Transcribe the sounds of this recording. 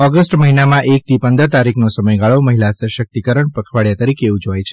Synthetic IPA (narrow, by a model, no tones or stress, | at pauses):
ɔɡəsʈməɦinamãʔek̚t̪ʰipənd̪əɾt̪aɾikʰnosəməjɡaɭoməɦilasəʃək̚t̪ikəɾəɳpəkʰʋaɭjat̪əɾikeʋũd͡ʒojt͡ʃʰe̥